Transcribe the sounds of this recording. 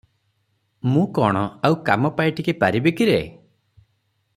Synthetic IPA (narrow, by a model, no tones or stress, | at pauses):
mũkɔɽ̃ɔawkamɔpajʈʰikepaɾibekiɾḛ